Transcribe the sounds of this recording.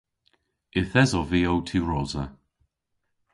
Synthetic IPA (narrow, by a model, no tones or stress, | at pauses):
ɪθɛzɔviːowtʰiɹɔːzə